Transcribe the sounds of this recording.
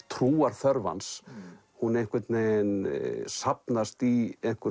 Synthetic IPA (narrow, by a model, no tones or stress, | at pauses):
t̪ʰɾuːaɾ̥θœɾva̰ns | hunejnkvɛt̪nensapnast̪iejn̥kʰɛ